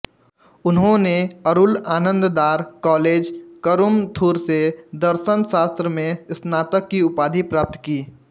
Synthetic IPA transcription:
ʊnɦõneəɾʊlaːnə̃nd̪d̪aːɾkɔːleːd͡ʒkəɾʊmt̪ʰuːɾsed̪əɾʃənsaːst̪ɾəmẽsnaːt̪əkːiʊpaːd̪ʱipɾaːp̚t̪kiː

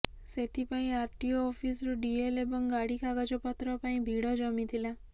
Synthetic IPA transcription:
set̪ʰipaĩaɾʈioɔfisɾuɖielebɔŋɡaɽikaɡad͡ʒɔpat̪ɾəpaĩbʱiɽɔd͡ʒɔmit̪ʰila

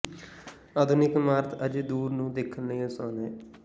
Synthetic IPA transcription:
aːd̪ʱʊnɪkmaːɾt̪ʰəd͡ʒd̪uːɾnũːd̪ɪkʰənːejẽsaːnɦɛː

